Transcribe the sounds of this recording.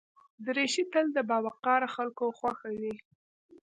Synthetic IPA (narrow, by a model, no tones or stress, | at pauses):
d̪əɾeʃit̪əld̪əbɑwaqɑɾaxalkoxwaxawi